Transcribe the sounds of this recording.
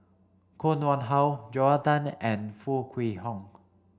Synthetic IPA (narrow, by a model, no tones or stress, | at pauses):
kʰonwɔnɦawd͡ʒɔadanɛ̃nfukʰwiːɦɔŋ